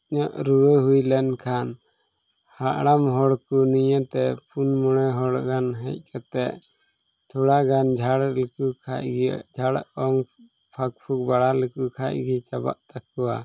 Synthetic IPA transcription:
ɲɔʔɾuɾəɦujlɛnkʰan | haʔɽamɦɔɽkunijə̃t̪ɛpunmɔɽ̃ɛɦɔɽɡanɦɛc̚ˀkat̪ɛʔ | t̪ʰɔɽaɡand͡ʒʱaɽləkukʰa̰ʔɡd͡ʒʱaɽɔŋ | pʰak̚pʰuk̚baɽaləkukʰaʔɡit͡ʃaba̰ʔt̪akːɔwa̰

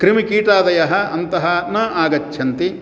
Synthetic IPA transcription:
kɾimikiːʈaːd̪ɐjɐɦɐʔɐnt̪ɐɦɐnɐːaːɡɐt͡ʃːʰɐnt̪i

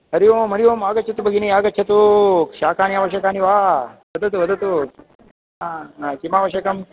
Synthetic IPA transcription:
ɦɐɾijoːmɐɾijoːmaːɡɐtt͡ʃʰɐt̪ubɐɡiniaːɡɐt͡ʃʰɐt̪ukʃaːkʰaːniaːʋɐʃɐkaːniʋaːʋɐd̪ɐt̪uʋɐd̪ɐt̪u | kimaːʋɐʃɐkɐm

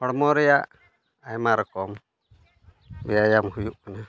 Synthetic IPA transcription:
pɔɽmɔɾɛjaʔ | ajmaɾɔkɔm | bɛjajamhujuʔkaɲa

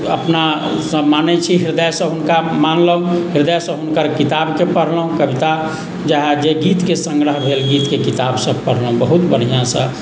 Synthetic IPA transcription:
ə̰pna | səmanɛt͡ʃʰiɦiɾd̪əjsə̃ɦunkamanləɦũɦiɾd̪əjsə̃ɦunkəɾkit̪abkepəɾ̤ləɦũkəbit̪a | d͡ʒaɦɛd͡ʒeɡit̪kesəŋɡɾəɦbʱelɡit̪kekit̪absəbpəɾ̤ləɦũbəɦut̪bəɽ̤ijãsə̃

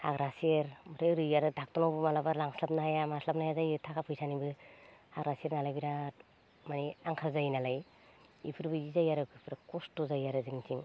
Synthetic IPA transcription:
haɡɾaseɾmɯɾeɾɯjaɾɯdak̚tɔnawbɯmalabaɾlaŋslap̚najamaslap̚najazajɯtʰakʰapʰɯjsanibɯhaɡɾasieɾnalajbiɾat̚ | maniaŋkʰalzajinalaj | ḭpʰɯɾbɯizajaɾɯkʰɯpʰɯɾakɔstɔzajaɾɯziŋtiŋ

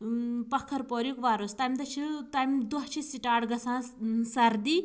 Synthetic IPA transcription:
pɐkʰːɐɾpoːɾjukʋaːɾoːst̪aːmʲd̪ɐt͡ʃʰit̪amʲd̪uɦt͡ʃʰisiʈaːɽɡɐsãːsɐɾd̪iː

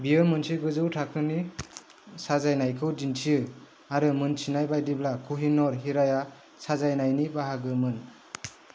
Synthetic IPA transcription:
biɯmɯnsʰiɡɯzɯwtʰakʰɯni | sazajnajkʰɯwdintʰiɯ | aɾɯmɯnt͡ʃʰinajbajdiblakʰuɦinɔɾɦiɾaja | sazajnajnibaɦaɡɯmɯn

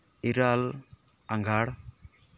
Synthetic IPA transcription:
iɾal | aŋɡʱaɽ

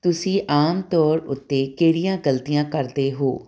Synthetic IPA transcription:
t̪ʊsĩːʔaːmt̪ɔːɾʊt̪ːeːkeːɽijãːɡəlt̪ijãːkəɾd̪eːɦoː

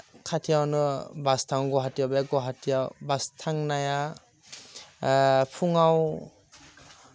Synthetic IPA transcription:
kʰatʰijawnɯbastʰaŋɡɔɦatijawbaɡɔɦatʰijawbastʰaŋnaja | pʰuŋaw

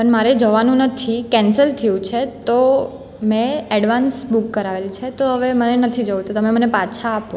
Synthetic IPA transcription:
pəɳmaɾed͡ʒəʋanũnət̪ʰikɛ̃nsəlt̪ʰəjũt͡ʃʰet̪o | mɛ̃ɛɽʋansbukːəɾaʋelt͡ʃʰet̪oɦəʋemənenət̪ʰid͡ʒəʋt̪ot̪əmemənepat͡ʃʰaːpo

